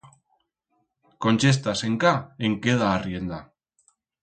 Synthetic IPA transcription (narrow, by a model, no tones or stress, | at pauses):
ko̞nʲt͡ʃest̪ase̞ŋkaeŋkeð̞aːrje̞nd̪a